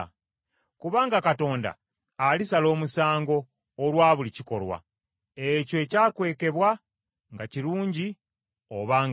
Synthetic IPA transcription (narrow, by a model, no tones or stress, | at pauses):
kuβaːŋɡakato̞ːnda̰ː | lisalo̞ːmusaːŋɡo̞ː | lwaːβuliciko̞lwa̰ | ecoe̞caːkwe̞ːke̞βwa | ŋɡaciɾuːɲɟi | oβaːŋ